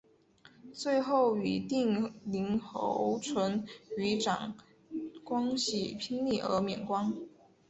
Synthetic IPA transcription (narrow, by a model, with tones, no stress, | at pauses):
t͡swe˥˧ɪxo˥˩ʊy˨˩t̪i˥˩ŋli˧˥ŋxo̰˧˥ʊʈ͡ʂʰwə˧˥ny˧˥ʈ͡ʂɑ̰˨˩ŋ | kwɑ˥ŋɕi˥˩pʰi˥ŋli˥˩ʔə̰˞˧˥mjɛ˨˩nkwɑ˥ŋ